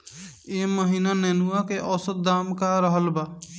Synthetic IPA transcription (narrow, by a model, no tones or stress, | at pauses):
eməɦinanenuwakeʔɔsəd̪̚ːamkaɾʌɦəlba